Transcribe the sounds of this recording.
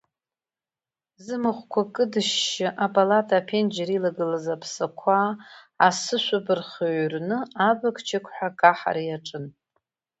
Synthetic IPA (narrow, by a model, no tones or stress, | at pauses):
zɨmɨχʷkʷʰakʼɨdɨʃːɪʔapʼalatʰʼapʰend͡ʒaɾilaɡɨlazapʰsakʷʰaː | sɨʃʷabɨrχoɥrnɨabakʼt͡ʃʰɪkʷʰʼħʷᶣakʼaħa̰ɾajaʈ͡ʂʼɨn